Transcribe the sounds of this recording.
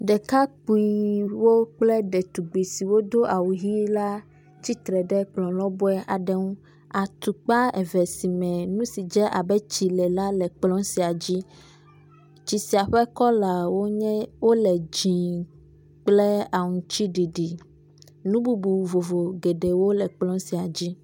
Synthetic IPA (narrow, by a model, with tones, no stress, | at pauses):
ɖɛ˨ka˦k͡pu˨˦i˨wo˦k͡plɛ˦ɖɛ˨t̪u˨ɡ͡bi˨si˨wo˦d̪o˦ʔa˨wu˨ɦi˦la˦ | t͡ɕi˦t̪ɾɛ˨ɖɛ˦k͡plɔ̃˨lɔ̃˦bɔ˦ɛ˦ʔa˨ɖɛ˦ŋũ˦ | a˨t̪u˨k͡pa˦ɛ̰˨vɛ˨si˨mɛ̃˨nũ˦si˨d͡ʒɛ˦ʔa˨bɛ˦t͡ɕi˨lɛ˨la˦lɛ˨k͡plɔ̃˦si˨a˨d͡ʑi˦ | t͡ɕi˨si˨a˨ɸɛ˦kɔ˦la˨wo˦ɲɛ̃˦wo˦lɛ˨d͡ʑĩ˨ | k͡plɛ˦a˨ŋũ˨t͡ɕi˦ɖi˨ɖi˨ | nũ˦bu˦bu˨vo˨vo˨ɡe˨ɖe˨wo˦lɛ˨k͡plɔ̃˦si˨a˨d͡ʑi˦